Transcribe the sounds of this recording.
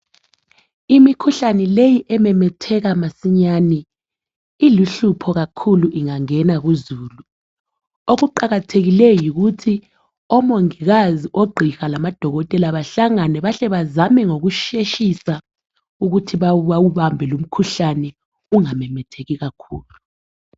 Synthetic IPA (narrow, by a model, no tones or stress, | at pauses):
imikʰuɬanɛlejiʔɛmɛmɛtʰɛɣamasiɲaːni | iliɬupʰɔɣakʰuluʔiŋaŋɛnaɣuzuːlu | oɣuǃaɣatʰeɣilɛjjiɣutʰi | ɔmoŋiɣaziʔoɡ͡ǃʱixalamad̥ʱɔɣɔtʼɛlaβaɬaŋanɛβaɬɛβazamɛŋoɣuʃeʃisa | uɣutʰiβawuβawuβambʱɛlum̩kʰuɬanɛ | uŋamɛmɛtʰeɣiɣakʰuːlu